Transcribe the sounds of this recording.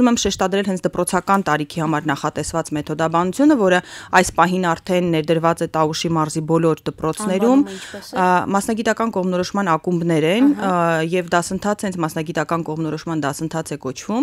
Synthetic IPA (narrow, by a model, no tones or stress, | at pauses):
uumɛmʃɛʃt̪ɑd̪ɾɛlɦɛnt͡sʰd̪əpɾɔt͡sʰɑkɑnt̪ɑɾikʰihɑmɑɾnɑχɑt̪ɛsvɑt͡smɛt̪ʰɔd̪ɑbɑnut͡sʰjunəvɔɾəɑjspɑɦinɑɾt̪ʰɛnːɛɾd̪əɾvɑt͡sɛt̪ɑuʃimɑɾzibɔlɔɾd̪əpɾɔt͡sʰnɛɾum | mɑsnɑɡit̪ɑkɑnkɔʁmnɔɾɔʃmɑnɑkumbnɛɾɛnjɛvd̪ɑsənt̪ʰɑt͡sʰɛnt͡sʰmɑsnɑɡit̪ɑkɑnkɔʁmnɔɾɔʃmɑnd̪ɑsənt̪ʰɑt͡sʰɛkɔt͡ʃʰvum